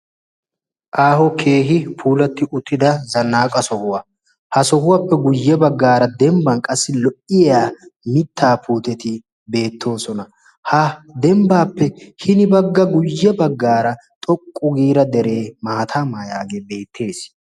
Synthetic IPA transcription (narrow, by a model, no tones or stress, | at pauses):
ʔaːhɔkʰeːɦɪpʰuːlɐt̪ːɪʔʊt̪ːɪd̪ɐzɐnːaːkʼɐsɔhʊwɐ | hɐsɔhʊwɐpːɛɡʊjːɛbɐɡːaːɾɐd̪ɛmbɐnkʼɐsːɪlɔʔɪjjaːmɪt̪ʰːaːpʰuːt̪ɛt̪ɪ | be̞ːt̪ʰːo̞ːsɔnɐ | hɐd̪ɛmbaːpːɛhɪnɪbɐɡːɐɡʊjːɛbɐɡːaːɾɐ | t̪ʼɔkʼːʊɡiːɾɐd̪ɛɾe̞ːmaːt̪ʰaːmajaːɡebe̞ːt̪ʰːe̞ːs